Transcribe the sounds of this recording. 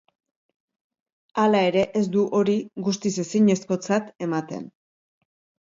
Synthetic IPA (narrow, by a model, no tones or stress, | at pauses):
alae̞ɾe̞ʔes̬d̪uʔo̞ɾiɣust̪ise̞siɲe̞sko̞t͡sat̪e̞mat̪e̞̰n